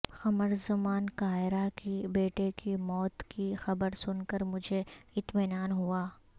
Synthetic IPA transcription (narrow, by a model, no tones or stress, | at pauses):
xɐməɾzʊmaːnkaːɪɾakibeːʈekimɔːt̪kixɐbəɾsʊnkəɾmʊd͡ʒʱeɪt̪mɪnaːnɦuaː